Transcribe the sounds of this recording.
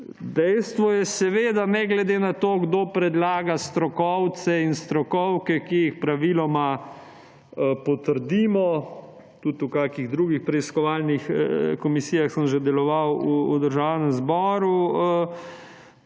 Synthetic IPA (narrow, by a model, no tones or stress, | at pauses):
d̪ɛjst̪ʋɔjɛsɛʋeːd̪anɛɡlɛd̪eːnat̪oːɡd̪oːpɾɛd̪laːɡast̪ɾɔkɔwt̪sɛinst̪ɾɔkɔwkɛkijixpɾaʋilɔma | pɔt̪əɾd̪iːmɔ | t̪ut̪ukakiɣd̪ɾuːɡixpɾɛiskɔʋaːlnixkɔmisijaxsəmʒɛd̪ɛlɔʋawud̪əɾʒaːwnɛmzbɔːɾu